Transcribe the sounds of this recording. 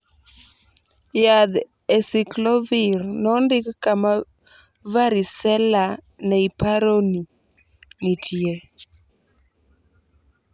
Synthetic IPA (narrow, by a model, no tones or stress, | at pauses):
jad̪ | ɛsiklɔviɾnɔndɪkkama | vaɾisɛla | nɛipaɾoni | nitʰie